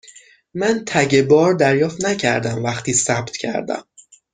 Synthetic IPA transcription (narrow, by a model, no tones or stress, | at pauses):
mænt̪ʰæɟe̞bɒːɾd̪æɾjɒːft̪næcʰæ̰ɾd̪æmvæχt̪ʰiːsæbt̪cʰæ̰ɾd̪æ̰m